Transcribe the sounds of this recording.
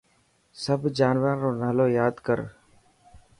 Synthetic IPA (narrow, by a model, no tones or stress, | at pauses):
səbʱd͡ʒaːnʋaɾoːnaːloːjaːd̪kəɾ